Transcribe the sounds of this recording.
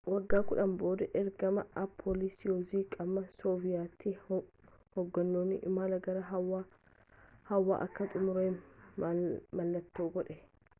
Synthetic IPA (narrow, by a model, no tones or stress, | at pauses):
wɐɡːaːkʊᶑɐmbo̞ːd̪ɐʔɛɾɡɐmɐɐpʰːoːlɪsɪjoːziːkʼɐbmɐsoːvɪjaːt̪ːɪ | hɔɡːɐnːoːnːɪ̰ʔɪmaːlɐɡɐɾɐɦɐwa | hɐwːa̰ːʔɐkːɐt̪ʼʊmʊɾeː | mɐlːɐt̪ːoːɡɔᶑɛ